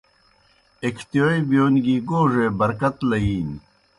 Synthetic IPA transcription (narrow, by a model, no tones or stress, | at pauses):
ekʰt̪ijoːjbijoːnɡiːɡoːʐebɐɾkɐt̪lɐiːn